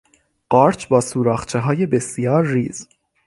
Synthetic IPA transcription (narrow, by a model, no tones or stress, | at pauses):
ɢ̥ɒːɾt͡ʃʰbɒːsuːɾɒːxt͡ʃʰeɦɒːje̞be̞sijɒːɾːiːz̥